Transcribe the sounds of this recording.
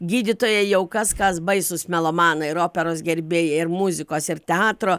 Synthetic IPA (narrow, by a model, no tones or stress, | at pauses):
ɡʲiːd̪ʲɪt̪oːjɛjɛʊkɐskɐsbɐɪsʊsmʲɛlˠoːmɑːnɐɪɾoːpʲɛɾoːsɡʲɛɾʲbʲeːjɛɪɾmʊzʲɪkoːsɪɾt̪ʲɛɑːt̪ɾoː